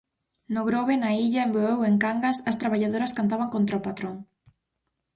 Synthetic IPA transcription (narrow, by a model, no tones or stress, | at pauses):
nʊɣɾoβenaiʎaemboβeweŋkaŋɡasɐst̪ɾaβaʎað̞oɾɐskant̪aβaŋkont̪ɾaopat̪ɾoŋ